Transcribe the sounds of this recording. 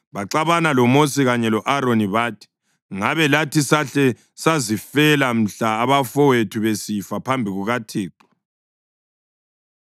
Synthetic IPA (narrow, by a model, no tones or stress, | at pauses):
βaǁaβanalɔmosiɣaɲɛlɔʔaɾoniβatʰi̥ | ŋaβɛlatisaɬɛ | sazifɛlam̩ɬaːβafɔwetʰuβesifapʰambʱiɣuɣatʰiːǃɔ̥